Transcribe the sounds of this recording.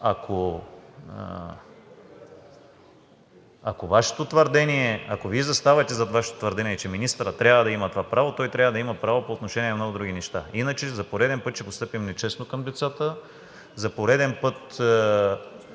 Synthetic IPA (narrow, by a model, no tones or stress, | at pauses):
akʰo̰ | akovaʃɛ̥t̪ot̪vəɾd̪ɛniɛɐkoviɛzɐst̪avɐt̪ɛzɐt̪vaʃɛ̥t̪o̥t̪vəɾd̪ɛniɛt͡ʃɛminist̪əɾət̪ːɾʲavəd̪ɐimɐt̪ovapɾavot̪ɔjt̪ɾʲjavəd̪ɐimɐpɾavopoːt̪noʃɛnʲiɛnmnoɡʊd̪ɾuɡ̟ʲinɛʃt̪ainət͡ʃɛzɐpoɾɛd̪ɛnpɤt̪t͡ʃɛpost̪ɤpimnɛt͡ʃɛsnokɐmd̪ɛt̪sat̪ə | zɐpoɾɛd̪ɛnpɤt̪